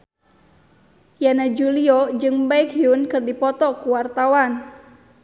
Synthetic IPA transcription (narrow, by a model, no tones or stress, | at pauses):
janad͡ʒuliɔd͡ʒɨŋbaikɦiunkɨrdipɔt̪ɔkuwart̪awan